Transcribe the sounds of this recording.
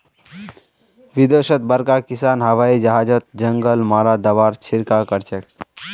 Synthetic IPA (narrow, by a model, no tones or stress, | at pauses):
ʋid̪osət̪̚bəɾkakisanɦəʋaid͡ʒəɦad͡ʒət̪̚d͡ʒəŋɡəlmaɾad̪əβaɾt͡ʃʰiɾkakəɾt͡ʃʰek